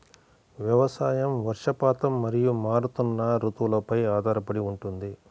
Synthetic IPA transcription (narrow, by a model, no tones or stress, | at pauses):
ʋjɐʋɐsaːjɐmʋɐɾʂɐpaːt̪ɐmːɐɾijumaːɾut̪unːɐɾut̪ʋulɐpɐjaːd̪ʱaːɾɐpɐɽiuɳʈund̪i